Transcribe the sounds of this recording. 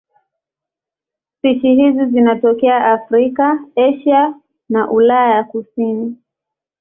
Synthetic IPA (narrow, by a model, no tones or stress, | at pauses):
sit͡ʃihizizinatɔkɛaʔafɾikaɛʃa | naʔulajajakusini